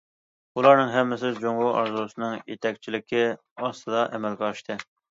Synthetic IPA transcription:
ulˠɑɾnɨŋɦɛmːɪsɪd͡ʒoŋʁʊʔɑɾzusɨnɨŋjḛt̪ʰɛk̚ʲt͡ʃʰilɪkʲʰɪ | ɑst̪ɨd̪ɑʔɛmɛlɡʲɑʃt̪ʰɨ

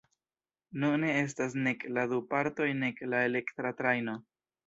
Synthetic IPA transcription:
nune̞e̞s̬tas̬ne̞klad̪upaɾto̞jne̞klae̞le̞kt̪ɾatɾajno̞

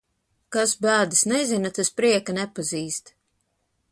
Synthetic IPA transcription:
kasbæːd̪isnɛzinat̪aspɾiɛkanɛpaziːst̪

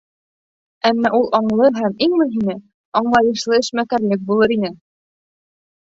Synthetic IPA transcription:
æmːæʔulˠʔɑɴlˠɤɦæmiŋmɵ̆ɦinɘ | ɑɴlˠɑjɤ̆ʃlˠɤɘ̆ʃmækæɾlɘk̚bulˠɤɾinɘ

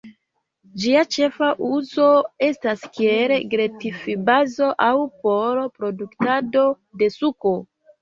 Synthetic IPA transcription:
d͡ʒiat͡ʃe̞faʔuzo̞e̞staskieleɡɾetifibazo̞ʔawpo̞lopɾo̞duktado̞ | de̞suko̞

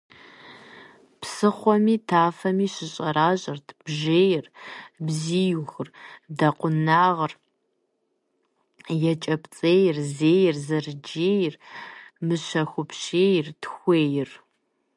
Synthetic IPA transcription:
psɨχʷɔmiːtʰaːfɐmiːɕɪɕʼɐɾaːɕʼɐrtʰb̥ʒeːjɪrbziːjuxɨrdɐqʷʊnaːʁər | jɛt͡ʃʼɐpt͡sʼeːjɪrzeːjɪrzɐrd͡ʒeːjrmɨɕɐxʷʊpʃeːjrtʰxʷeːjɪr

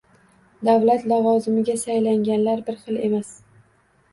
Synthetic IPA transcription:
d̪avlat̪lɒvɒzɪmɪɡʲasajlaŋʲanlaɾbɪɾχɨlˠe̞mas

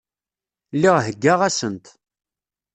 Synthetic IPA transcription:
lːiʁɦəɡːaʁæsənt̪

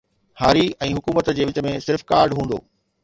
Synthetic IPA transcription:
haːɾiɛ̃ːɦʊkuːmət̪d͡ʑeːʋɪt͡ɕə̆mẽsɪɾfkaːɾɖɦũːn̆d̪o̰ː

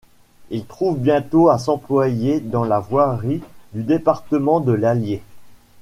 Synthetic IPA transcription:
ilt̪χuvbjɛ̃t̪oas̬ɑ̃plwajed̪ɑ̃lavwaʁid̪yd̪epaʁt̪əmɑ̃d̪əlalje

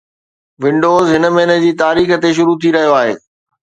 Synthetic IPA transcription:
ʋɪ̃ɳɖoːzɦɪnə̆mɐɦnəd͡ʑiːt̪aːɾiːxə̆t̪eʃ̬ʊɾut̪ʰiɾɐɦijoaːɦḛː

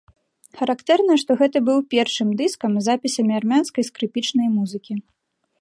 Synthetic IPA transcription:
xɐɾakt̪ɛrnɐʂt̪ɔɣɛt̪ɐbɨwpʲɛrʂɨmd̪ɨskɐmzapʲisʲɐmʲiarmʲanskɐjskɾɨpʲit͡ʂnɐjmuzɨkʲi

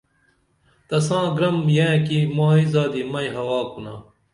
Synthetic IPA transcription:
t̪ɐsãːɡɾɐmjẽːkimaːizaːd̪imɐjɦɐwaːkunaː

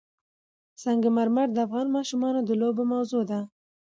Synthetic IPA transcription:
saŋɡamaɾmaɾd̪əafɣɑnmɑʃumɑnod̪əlobomawzod̪a

